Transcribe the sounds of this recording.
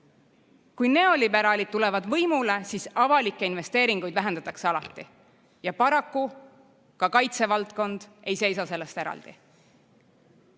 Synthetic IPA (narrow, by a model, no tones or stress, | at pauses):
kujne̞o̞libæɾɑlid̪̚t̪ule̞vɑd̪vɤjmule̞siːsɑvɑlikːˑeinve̞st̪e̞ːɾiŋɡ̥ujd̪væɦend̪ɑt̪ɑkse̞ɑlɑ̰t̪ːˑi | jɑpɑɾɑkːu | kɑkɑjt̪se̞vɑlt̪ko̞nd̪̥e̞jse̞jsɑse̞lːest̪e̞ɾɑ̰ld̪̥i